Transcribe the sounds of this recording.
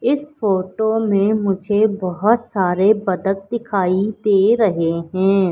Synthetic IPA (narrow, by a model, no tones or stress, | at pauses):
ɪsfoːʈomẽmʊd͡ʒʱebɐɦʊt̪saːɾebɐd̪ək̚d̪ɪkʰaːid̪eːɾɐɦeɦɛ̃ː